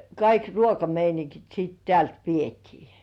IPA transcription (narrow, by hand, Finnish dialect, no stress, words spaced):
kɑik ruokɑmeiniŋkit siːt tĕæˑlt ʋietiː